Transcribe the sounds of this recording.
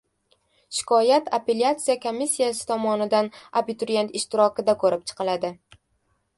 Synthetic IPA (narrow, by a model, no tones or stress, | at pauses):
ʃɪ̥kʰɒjat̪ʰape̞ljat̪sɨjakʰomːisːijasɪ̥t̪ʰɒmɒnɪd̪anabit̪ʊɾije̞nt̪ɪʃt̪ɪɾɒkʲɪd̪akʰɵɾɪp̚t͡ʃʰɨ̥qʰɨlad̪ɪ